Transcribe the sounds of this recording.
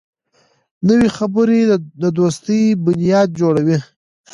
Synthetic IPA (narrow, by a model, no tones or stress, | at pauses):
nəwixabəɾed̪əd̪ost̪əjbʊnijɑd̪̚d͡ʒoɽawi